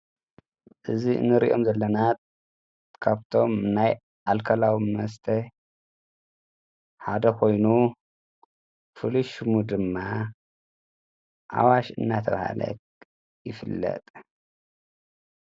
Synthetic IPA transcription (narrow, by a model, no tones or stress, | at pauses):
ʔɨziɨ̰nːɨɾḭʔo̞mzɐlːɐnat̪ | kʰaβt̪ʰo̞mnaj | alkʰɐlawimɐst̪ʰɐ | ħad̪ɐkʰo̞jnu | fɨluʃmud̪ɨmːa | ʔa̰waʃʔɨ̰nːat̪ʰɐβha̰lɐ̰k | jɪfɨlːɐ̰t̪ʼ